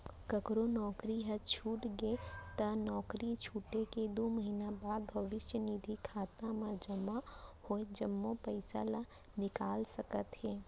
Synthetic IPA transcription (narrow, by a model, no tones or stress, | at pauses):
kəkɾonɔːkɾiɦət͡ʃʰuːʈɡet̪ɐnɔːkɾit͡ʃʰuːʈeked̪oːməɦinabaːd̪bʱəʋɪʃjəniːd̪ʱikʰaːt̪amãd͡ʒɐmahoːed͡ʒɐmːõpəɪsa̰la | nɪkaːlsəkət̪ɦeː